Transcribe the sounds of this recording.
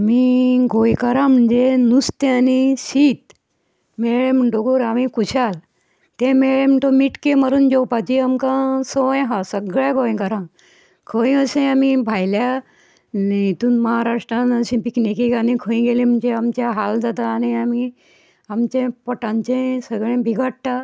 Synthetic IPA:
amiɡojkəɾãm̤əɳd͡zenust̪eaniɕiːt̪ | meɭẽm̤uɳʈoɡoːɾamikuɕʰal | t̪ẽmeɭem̤əɳʈomiʈkeməɾuːnd͡ʑowpat͡ɕiamkãsojɦasəɡɭãɡoj̃kəɾã | kʰəĩəsẽamibʱajlja | net̪uːnməɦaɾaʂʈɾãnəɕĩpiknekikanĩkʰə̃ĩɡelĩm̤əɳd͡ʑeamt͡ɕjaɦald͡zat̪aːñiami | amt͡ɕẽpɔʈãɲt͡ɕẽsəɡɭẽbʱiɡʱəɽʈa

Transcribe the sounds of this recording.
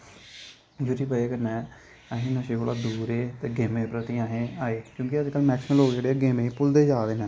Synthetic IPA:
d͡ʒod͡ʒipəeːkənɛː | əɦẽːnaʃeːkoːɽaːd̪uːɾeːt̪eːɡeːmẽːpɾət̪iaːɦẽːaːeːkjõːkɪəd̪eːkəlmɛːksɪməloːɡd͡ʒeːɽeːɡeːmẽːpʊld̪eːd͡ʒaːʋeːnɛ̃ː

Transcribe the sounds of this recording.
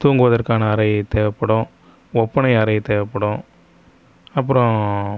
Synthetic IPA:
t̪uːŋɡɯʋɐðɐɾkaːnɐːɾɐɪt̪eːʋɐpːɐɽʊ̃ | ɔpːɐnɐɪɐɾɐjt̪eːʋɐpːɐɽʊ̃ | ɐpːɯɾɔ̃

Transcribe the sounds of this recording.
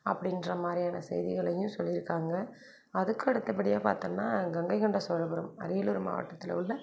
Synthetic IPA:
ɐpːɐɽɪndrɐmaːd̪ɾɪjaːnɐsɛ̰jðɪɣɐɭɐjɯ̃msɔlːɪɾɯkːaːŋɡɐ | ɐðɯkːɯɛɽɯt̪ːɐp̬ːɐɽɪjaːpa̰ːɾt̪ɐŋnːaːŋɡɐŋɡɐɪkɐɳɖɐsɔɻɐpɐɾɯmɐ̰ɾɪjɐlʊɾɯma̰ːʋɐ̰ʈːɐt̪ːɪlɐ̰ʊlːɐ

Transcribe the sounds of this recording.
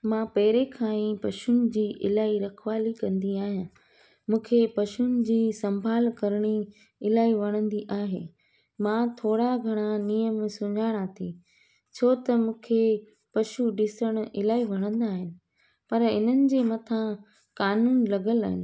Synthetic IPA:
mãːpɐɦɪɾekʰãːĩpɐʃʊnɪ̆d͡ʑiːʔɪ̰laːiɾɐkʰʋaːlikɐ̃nd̪iaːɦijãː | mũːkʰepɐʃunɪ̆d͡ʑiːsɐ̃mbʱaːlkɐɾəɽ̃i | ɪlaːiʋɐɽ̃ə̃nd̪iʔaːɦeː | mãːt̪ʰoːɽaɡʱɐɽ̃ãnijəmsʊ̃ɲaːɽ̃at̪ʰi | t͡ɕʰoːt̪ɐmũːkʰe | pɐʃuɖɪsəɽ̃ʊɪlaːiʋɐɽ̃ə̃nd̪aːɦɪnɪ̆ | pɐɾɪ̰n̤ənɪ̆d͡ʑeːmɐt̪ʰã | kaːnuːnlɐɡəla̰ːɦɪnɪ̆

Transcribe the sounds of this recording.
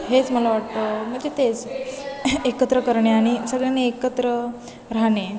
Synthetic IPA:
ɦet͡sməlaʋaʈt̪əm̤əɳd͡ʑet̪et͡s | ekət̪ɾəkəɾɳeaɽ̃isəɡɭjaneekət̪ɾə | ɾaɦɳe

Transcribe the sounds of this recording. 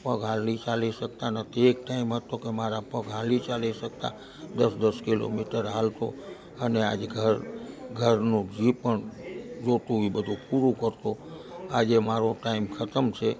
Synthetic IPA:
pəɡɦalit͡ʃaliʃək̚t̪anət̪ʰiek̚ʈaimɦət̪okemaɾapəɡɦalit͡ʃaliʃək̚t̪a̰ | d̪əsd̪əskilo̰miʈəɾɦalt̪o | ənea̰d͡ʒeɡʱəɾɡʱəɾnũd͡ʒipəɳd͡ʒot̪uʋibəd̪ʱũpuɾũkəɾt̪oad͡ʒemaɾoʈaimkʰət̪əmt͡ʃʰe

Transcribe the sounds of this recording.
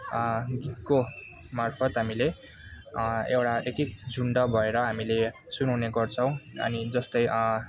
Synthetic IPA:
ɡit̪̚ko | marpʰʌt̪ɦamile | ewʈaet̪ik̚d͡zʱuɳɖʌbʱʌeɾʌɦamile | sunawneɡʌrt͡sʰʌ̃w̃ʌ̰nid͡zʌst̪ʌj

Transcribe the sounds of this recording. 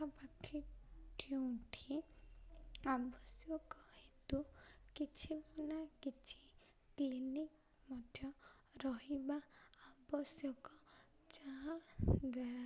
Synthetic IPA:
apakʰiʈʰuũʈʰi | abɔsjɔkɔhet̪ukit͡ʃʰipunakit͡ʃʰi̥ | klinik | mɔd̪ʱjɔ | ɾɔɦibaːbɔsjɔkɔ | t͡ʃaɦaɡɔɾa

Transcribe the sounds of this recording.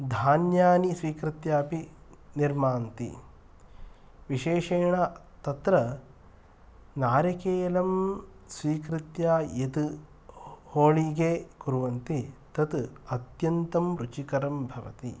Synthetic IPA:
d̪ʱaːnjaːnisʋiːkɾit̪jaːpiniɾmaːnt̪ḭ | ʋiʃeːʃeːɳɐ | t̪ɐt̪ɾɐ | naːɾjɐkeːlɐmsʋiːkɾit̪jaːjet̪u | hoːɭiɡeːkuɾuʋɐnt̪it̪ɐt̪ɐt̪jɐnt̪ɐmɾut͡ʃikɐɾɐmbʱɐʋɐ̰t̪ḭ

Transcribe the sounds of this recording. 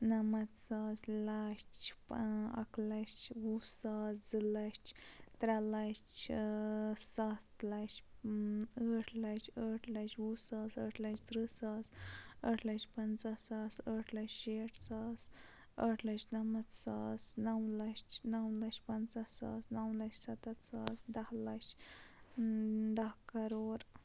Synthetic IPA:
nɐmɐt̪saːslɐt͡ʃpɐ̰klɐt͡ʃwusaːsd͡zɨlɐt͡ʃʰt̪ɾɐlɐt͡ʃʰ | sat̪lɐt͡ʃ | əːʈʰlɐt͡ʃʰəːʈʰlɐt͡ʃwusaːsəːʈʰlɐt͡ʃʰt̪ɾɨsaːsəʈʰlɐt͡ʃpɐnt͡sɐsaːsəːʈʰlɐt͡ʃʃeːʈʰsaːs | əʈʰlɐt͡ʃnɐmɐt̪saːsnɐwlɐt͡ʃnɐwlɐt͡ʃʲpɐnt͡sasa̰ːsnɐwlɐt͡ʃʲsɐt̪ɐt̪saːsd̪ɐhlɐt͡ʃ | d̪ɐhkɐɾoːɾ

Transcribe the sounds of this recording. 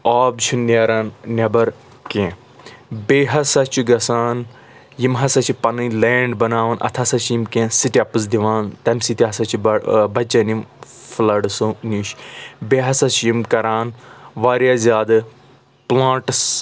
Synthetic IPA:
aːbt͡ʃʰunneɾɐnnʲɐbɐɾ | kẽː | beːɦɐsɐt͡ʃʰuɡɐsaːn | jimɦɐsɐt͡ʃʰipɐnɨleːɳɖbɐnaːʋɐnʔɐ̰t̪ʰɐsɐt͡ʃʰjimkẽːsiʈʲiɐpɨzd̪iʋaːnt̪ɐmʲsit̪iɦɐsɐt͡ʃʰibɐt͡ʃɐnjimflɐɖsõnʲiʃbeːɦɐsɐt͡ʃʰjimkɐɾaːnʋaːɾjaːzʲaːd̪ɨ | plãːʈs

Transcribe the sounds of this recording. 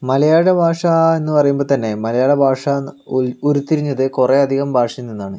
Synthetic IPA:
mɐlɐjaːɽɐbʱaːʂɐenːɨpɐrɐjumboɭt̪ɐnːe̞mɐlɐjaːɽɐbʱaːʂɐ | oɾut̪ːiɾiɲːɐðɨkure̞ɐd̪ʱiɣɐmbʱaːʂɐɐninːaːɳɨ

